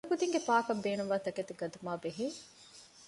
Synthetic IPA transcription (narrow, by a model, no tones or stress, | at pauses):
kud̪iŋɡepaːkɐbeːnumʋaːt̪ɐket̪ɡɐd̪umaːbeɦiː